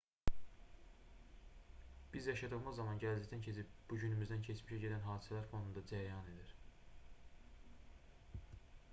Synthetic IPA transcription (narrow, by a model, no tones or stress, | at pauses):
b̥izjɑʃɑd̪ɯɣmɯzːɑmɑnɟæld͡ʒɛct̪æncʰe̞t͡sʰip̚b̥uɟynymyzd̪æncʰet͡ʃmiʃæɟe̞d̪ænɦɑːd̪isælæɾfo̞nd̪und̪ɑd͡ʒæɾijɑne̞d̪iɾ̥